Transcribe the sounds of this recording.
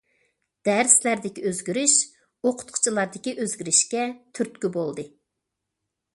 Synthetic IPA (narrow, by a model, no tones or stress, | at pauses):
d̪̥æɾslæɾd̪ɪkʲiøzɡʲyɾyʃ | oqʰʊ̥t̪̚qʰʊ̥t͡ʃʰilˠɑɾd̪ɪkʲiʔøzɡʲyɾyʃkʲɛt̪ʰyɾt̪̚kʲybolˠd̪ɨ